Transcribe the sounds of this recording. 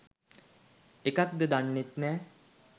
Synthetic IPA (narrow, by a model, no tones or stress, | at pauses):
ekak̚d̪əd̪anːet̪nɛː